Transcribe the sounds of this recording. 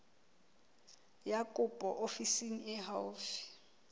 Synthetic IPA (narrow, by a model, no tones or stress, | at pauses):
jakʼʊpʼɔ̰ʔofisiŋ̩ɪɦawfi̥